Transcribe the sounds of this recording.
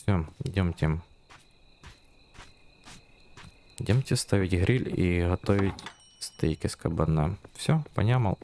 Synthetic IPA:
sʲod̪ʲemtʲɪ | d̪ʲemtʲɪst̪avʲɪtʲɣɾʲilʲiɣɐt̪oʋʲɪtʲ | st̪ɨjkʲɪskɐbɐnɛ̰fsʲopɐ̰nʲamɐ̰lˠ

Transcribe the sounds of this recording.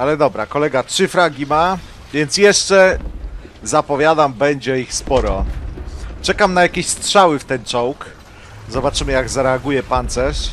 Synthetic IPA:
alɛd̪ɔbɾa̰kɔlɛɡatʂɘfɾaɡʲima | vʲjɛnt̪sjɛʂt͡ʂɛ | zapɔvʲjad̪ambɛɲd͡ʑɛixspɔɾɔ | t͡ʂɛkamnajakʲeɕstʂawɘft̪ɛnt͡ʂɔwk | zɔbat͡ʂɘmɘjaɡzaɾɛaɡujɛpant̪sɛʂ

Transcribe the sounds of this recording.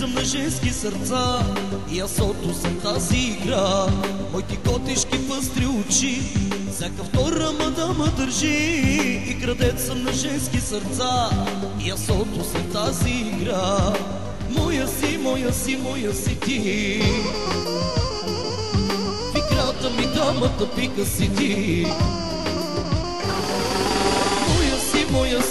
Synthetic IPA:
əmnɐʒɛnskisəɾt̪saijasɔt̪ʊsɐt̪aziːɡɾamɔjkikɔt̪iʃkipəst̪ɾiʊt͡ʃi | sakəft̪ɔɾəmɐd̪aməd̪əɾʒiː | kɾɐd̪ɛt̪səmnɐʒɛnskisəɾt̪sa | ijɐsɔt̪osɛt̪aziːɡɾa | mɔjəsimɔjəsimɔjəsit̪i | iɡɾat̪əmid̪amət̪əpikəsit̪i | mɔjəsimɔjə

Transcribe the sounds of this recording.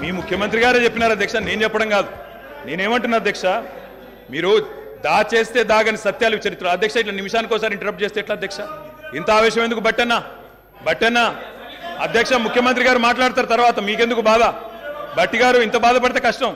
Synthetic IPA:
miːmukʰjɐmɐnt̪ɾiɡaːɾet͡ʃe̞pːinaːɾɐd̪jɐkʂane̞ːnut͡ʃɛpːɐɽɐŋɡaːd̪u | ne̞ːneːmɐɳʈunːaɐd̪jɐkʂɐ | miːɾu | d̪aːt͡ʃe̞ːst̪e̞ːd̪aːkɐnisɐt̪jaːluʋit͡ʃɐɾit̪ːɾɐd̪ʱjɐkʂaiʈ̬lɐnimiʂaːnikoːsaːɾiɳʈɐɾɐp̚ʈ̚t͡ʃest̪eːiʈlaːd̪jɐkʂaint̪ɐaːʋɛːʃ̬jɐmed̪ukubɐʈːɐnːaː | bɐʈːɐnːa | ɐd̪ʱjɐkʂɐmukʰjɐmɐnt̪̬ɾiɡaːɾumaːʈ̬laːɽut̪̬aːɾɐt̪ɐɾʋaːt̪ɐmiːke̞nd̪ukubaːd̪ɐbɐʈːiɡaːɾuint̪ɐbaːd̪ɐp̬ɐɽit̪eːkɐʂʈɐm

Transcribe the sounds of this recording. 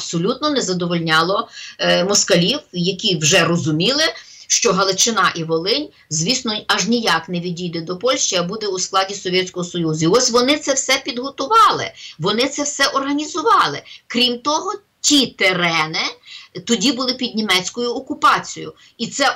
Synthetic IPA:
psɔlʲut̪nɔnɛzɐd̪ɔʋɔlʲnʲɑlˠɔmɔskɐlʲiwjɐkʲiwʒɛrɔzʊmʲilˠɪ | ʃt͡ʃɔɦɐlˠɪt͡ʃɪnɑʔiʋɔlˠɪnʲ | zʲʋʲisnɔɐʒnʲijɑknɛʋʲidʲijd̪ɛd̪ɔpɔlʲʃt͡ʃiɐbud̪ɛusklˠɑdʲisɔʋʲjɛtʲsʲkɔɦɔsɔjuzʊiɔsʲʋɔnɪt̪sɛwsɛpʲid̪ɦɔt̪ʊʋɑlˠɪ̰ʋɔnɪt̪sɛwsɛʔɔrɦɐnʲizʊʋɑlˠɪkɾʲimt̪ɔɦɔ | tʲit̪eɾɛnɪt̪ɔdʲibʊlˠɪpʲid̪̚ʲnʲimɛt͡sʲkɔjʊɔkʊpɑt͡sʲijʊ̰ | it̪sɛ

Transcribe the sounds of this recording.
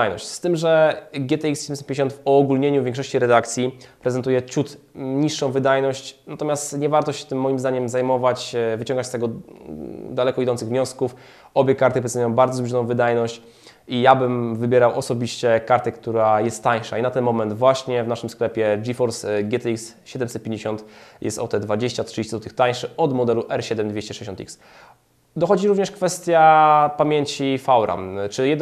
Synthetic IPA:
ajnɔ̰ɕt͡ɕst̪ɘmʐɛɡʲjɛt̪ɛiksɕɛdɛmd͡ʑesɛpʲj̃ɲd͡ʑeɕɔnt̪fɔːɡulɲeɲuvʲjɛŋkʂɔɕt͡ɕiɾɛd̪akt̪sʲjipɾɛzɛnt̪ujɛt͡ɕut̪ɲiʂːɔ̃w̃vɘd̪ajnɔɕt͡ɕnat̪ɔmʲjast̪ɲɛvaɾt̪ɔɕɛ̥t̪ɘmːɔjimzd̪aɲɛmzajmɔvat͡ɕvɘt͡ɕɔ̃ŋɡat͡ɕst̪ɛɡɔ | d̪alɛkɔid̪ɔnt̪sɨɣvɲɔskuf | ɔbʲjɛkaɾt̪ɘpɾɛt̪zujɔ̃w̃baɾd̪zɔzluʐɔnɔ̃w̃vɘd̪ajnɔɕt͡ɕ | ijabɘmvɘbʲjɛɾawɔsɔbʲiɕt͡ɕɛkaɾt̪ɛkt̪uɾajɛst̪ːaɲʂa̰inat̪ɛnmɔmɛnd̪vwaɕɲɛvnaʂɘmsklɛpʲjɛd͡ʐifɔɾsɡʲɛt̪iksɕɛd̪ɛmsɛt̪̚pʲẽɲd͡ʑeɕɔ̃nt̪jɛ̰st̪ɔ̰t̪ɛd̪vad͡ʑeɕt͡ɕat̪ʂd͡ʑeɕt͡ɕɛd̪ɔt̪ɘɨxt̪aɲ̃ʂɘɔd̪mɔd̪ɛluʔɛɾɕɛd̪ɛmd̪vʲeɕt͡ɕɛʂɛd͡ʑeɕɔnt̪ḭks | d̪ɔxɔd͡ʑiɾuvɲɛʂkfɛst̪ʲjapamʲjeɲt͡ɕifawɾa̰mt͡ʂɘjɛ

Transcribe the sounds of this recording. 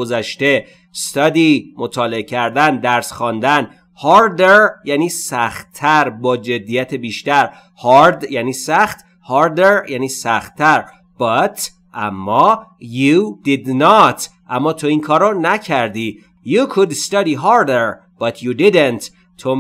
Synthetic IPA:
ozæʃt̪e̞ | st̪ɒd̪iːmot̪ʰɒːleecʰæɾd̪ænd̪æɾsxɒːnd̪æn | hɒɾd̪eɾjæːniːsæxt̪t̪ʰːæɾbɒːd͡ʒe̞d̪ːijæt̪ʰebiːʃt̪æɾ | hɒɾd̪jæniːsæxt̪ | hɑɾd̪eɾjæːniːsæxt̪ːæɾ | b̥ɒt̪ | ʔæmːɒːjud̪id̪nɒt̪ʔæmːɒːt̪ʰoiːŋkʰɒːɾonæcʰæɾd̪iː | jukʰud̪st̪ɑd̪iɦɑɾd̪eɾ | b̥ɒt̪ʰjud̪id̪ent̪ | t̪ʰo

